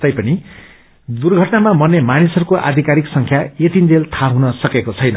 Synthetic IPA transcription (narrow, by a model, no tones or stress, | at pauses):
t̪ʌjpʌni | d̪urɡʱʌʈnamamʌnːemanisɦʌɾukoʔa̰d̪ʱikaɾiksʌŋkʰjaet̪ind͡zelt̪ʰaɦunʌsʌkekot͡sʰʌjnʌ